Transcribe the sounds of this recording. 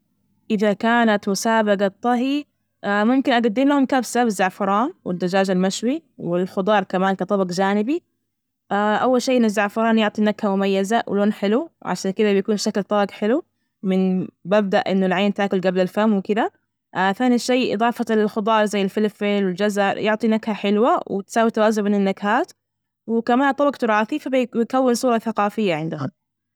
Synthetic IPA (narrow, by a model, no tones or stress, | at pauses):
ʔɪðakaːnat̪mʊsaːbaɡɑt̪ˤːɑɦi | amʊmkɪnʔaɡad̪ːɪmlahʊmkabsabɪzːaʕfɑɾˤɑːnwɪd̪ːad͡ʒaːd͡ʒalmaʃwiwɪlxʊd̪ˤɑːɾˤkamaːnkɑt̪ˤɑbɑɡd͡ʒaːnɪbi | ʔaʔawːalʃeːʔɪnːazːaʕfɑɾˤɑːnjʊʕt̪ˤinaɡhamʊmajːazawɪ̰loːnħɪluʕa̰ʃaːnkɪd̪abɪjakuːnʃaklt̪ˤɑːɡħɪlu | mɪnbab̚d̪aʔʔɪnːʊlʕeːnt̪aːkʊlɡablɪlfamːwɪkɪða | ʔθaːniʃaːʔɨ̰ðˤɑːfalxʊd̪ˤɑːɾˤzajːɪlfɪlɪfeːlwɪld͡ʒazaɾjʊʕt̪ˤinakhaħɪlwawɪ̰t̪saːwit̪awaːzʊmɪnɪnːakhaːt̪ | wɪkamaːnt̪ˤɑbɑqt̪ʊɾˤɑːθifabbɪjkawːɪnsˤuːɾˤɑθaqɑːfɪjːaʕɪnd̪aɦʊm